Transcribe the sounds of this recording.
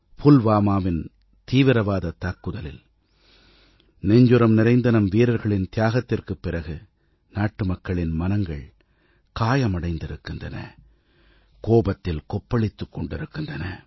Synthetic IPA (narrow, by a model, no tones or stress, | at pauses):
fʊlʋaːmaːʋɪn | t̪iːʋɪɾɐʋaːðɐt̪aːkːɯðɐlɪ̰l | nɛɲd͡ʒɯɾɐmnɪɾɐɪnd̪ɐnɐmʋiːɾɐɾɣɐɭɪnt̪ɪjaːɣɐt̪ːɪrkɯpːɪɾɐɣɯ | naːʈːɯmɐkːɐɭɪnmɐnɐŋɡɐɭ | kaːjɐmɐɽɐɪnd̪ɪɾɯkːɯndrɐnɐ̰ | koːbɐt̪ːɪlkɔpːɐɭɪt̪ːɯkːɔɳɖɪɾɯkːɯndrɐnɐ̰